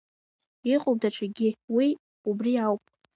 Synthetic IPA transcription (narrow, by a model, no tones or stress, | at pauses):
iqʼob̚daʈ͡ʂʰaɡʲɪwi | ubriawpʼ